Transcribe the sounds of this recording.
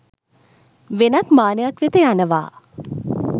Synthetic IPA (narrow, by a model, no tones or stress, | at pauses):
ʋenakmaːnəjakʋit̪əjanəʋa̰ː